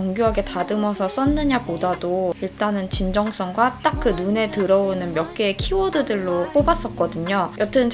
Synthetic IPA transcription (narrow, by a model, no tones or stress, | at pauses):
oŋɡjuɦaɡe̞tadɯmʌsʰʌs͈ʌnːɯɲabodadoiɭt͈anɯnt͡ɕind͡ʑʌŋs͈ʰʌŋɡwat͈ak̚k͈ɯnune̞tɯɾʌonɯnmjʌk̚k͈eːkʰiwodɯdɯɭːop͈obas͈ʌt̚k͈ʌdɯɲojʔʌt͈ʰɯnt͡ɕ